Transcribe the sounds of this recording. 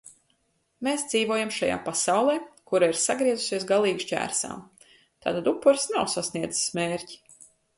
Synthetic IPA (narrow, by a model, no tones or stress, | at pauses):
meːsd̪ziːvuɔjamʃaja̰ːpasawlˠeːkuɾaiɾsaɡɾiɛzusiɛsɡalˠiːɡʃcʲæ̰ːɾsa̰ːm | t̪a̰ːt̪ad̪upːuɾsnawsasniɛd̪zɨ̥smeːɾci̥